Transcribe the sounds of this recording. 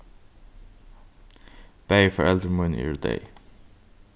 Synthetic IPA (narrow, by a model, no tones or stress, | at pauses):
b̥eɪfəɹɛld̪əɹmə̃nɪ̰ɹdḛɪ